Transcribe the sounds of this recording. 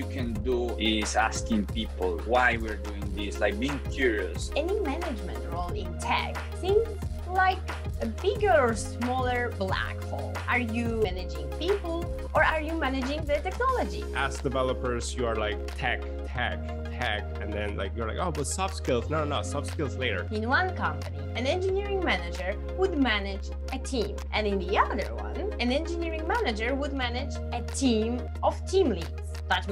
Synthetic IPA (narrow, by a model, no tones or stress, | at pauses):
jukʰɨ̃nduɪzæskɪ̃ŋpipl̩ˠwajwiɹduɪ̃ŋd̪ɪslaɪk̚biɪ̃ŋkʰjuɹiəsɛnimænɪd͡ʒmɨ̃ntɹolɪ̃ntʰɛ̰k | θɪ̃ŋz | laɪk | əbɪɡə˞ɔɹsmɔlˠə˞blæ̰kfɔ̰ | ʔaɹjuænɨd͡ʒɪ̃ŋpipl̩ˠ | ʔɔ˞aɹjumænɨd͡ʒɪ̃ŋðətɛknɔlˠɔd͡ʒḭʔæsd̥ɨvɛlˠəpə˞zjuə˞laɪk̚tʰɛk | tʰæ̰k | tʰæk̚ɨ̃nðɛ̃nla̰ɪkjuə˞la̰ɪkoʊbʌsɑfskɪlˠznoʊnnoʊsɑfskɪlˠzleɪɾə̰˞ɪ̃nwʌ̃nkʌ̃mpənḭɨ̃nɛ̃nd͡ʒɨniɹɪ̃ŋmænɨd͡ʒə˞ | wʊd̪mænɪd͡ʒ | ʔɨtʰĩmʔɨɛ̃nɪ̃nd̪iʌðə̰˞wʌ̰̃n | ɨ̃nɛ̃nd͡ʒɨniɹɪ̃ŋmænɨd͡ʒə˞wʊd̪̚mænɪd͡ʒ | ɨtʰĩm | ɔvtʰĩmlids | t̪ʌt͡ʃ